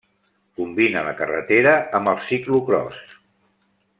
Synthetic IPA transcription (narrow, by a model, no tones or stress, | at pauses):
kumbinələkərə̰t̪eɾəəmbəlˠsikluɣɾɔ̰s